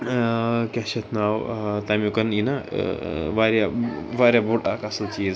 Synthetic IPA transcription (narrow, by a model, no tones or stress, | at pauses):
kʲaɕet̪ʰnawt̪amukənina̰ | ʋaɾjaʋaɾjaboʈakasət͡ɕi